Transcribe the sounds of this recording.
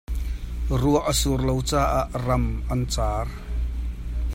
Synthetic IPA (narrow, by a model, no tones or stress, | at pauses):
ruəʔəsurlowt͡saːʔaʔramʔɐnt͡saːr